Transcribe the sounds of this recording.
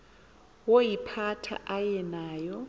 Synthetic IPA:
wojipʰatʰa̰ʔajɛnaːjɔ

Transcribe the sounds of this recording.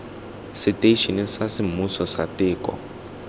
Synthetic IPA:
siteʃinisasimusɔsa̰tɪːkɔ̰

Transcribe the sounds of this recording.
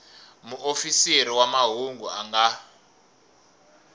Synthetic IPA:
muʔofiseɾiwamaɦuŋɡuaŋɡa

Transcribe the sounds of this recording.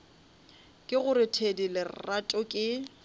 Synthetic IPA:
kʼɪɣʊɾɪtʰedilɪratʼɔkʼɪ

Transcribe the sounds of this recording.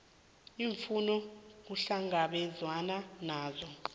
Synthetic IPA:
iɱfunɔk̬uɬaŋaɓɛzwananaːzɔ

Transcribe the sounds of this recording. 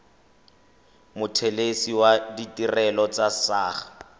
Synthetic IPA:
mʊtʰɛlesiwaditʼirɛlɔt͡sasaːχḁ

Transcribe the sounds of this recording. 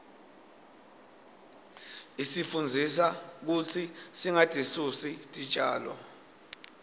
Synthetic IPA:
isifund͡zʱisak̬ut͡sʰisiŋatʼisusitʼi̥t͡ʃʼaːlɔ̰

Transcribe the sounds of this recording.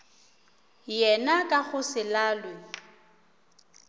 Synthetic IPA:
jɛnakʼaɣʊsɪlaːlwe

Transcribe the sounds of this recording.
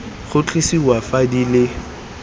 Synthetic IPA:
χʊt͡ɬʼisiwafadilɪ

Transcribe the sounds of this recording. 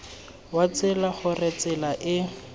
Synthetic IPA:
wat͡sɪlaχʊrɛt͡sɪlaʔɪ

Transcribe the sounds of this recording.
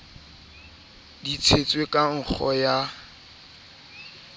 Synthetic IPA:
dit͡sʰet͡sʼwekʼaŋ̩k͡xʰɔja

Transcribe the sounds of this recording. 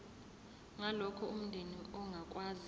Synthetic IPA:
ŋalɔkʰɔum̩ndʱeniɔŋʱakʼwaːz

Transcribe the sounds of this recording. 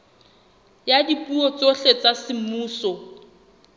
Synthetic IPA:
jadipʼuɔt͡soɬet͡sasɪmuːsɔ

